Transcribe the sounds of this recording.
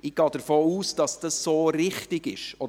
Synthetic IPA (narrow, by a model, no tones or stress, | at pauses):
ɪɡ̥ɑːd̥̪əɾfoːuːsd̥ɑsd̥ɑsːoːɾɪχtɪɡ̥ɪʃɔ